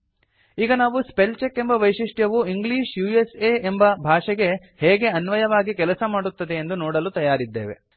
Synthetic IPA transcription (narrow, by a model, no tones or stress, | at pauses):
iːɡɐnaːʋuspelt͡ʃekːe̞mbɐʋɐjʂiʂʈjɐʋuiŋɡliːʂjuːeseːembɐbʱaːʂɛɡe̞ | heːɡe̞ɐnʋɐjɐʋaːɡikɛlɐsɐmaːɽut̪ːɐd̪e̞ːnd̪unoːɽɐlut̪ɐjaːɾid̪ːḛːʋe̞̰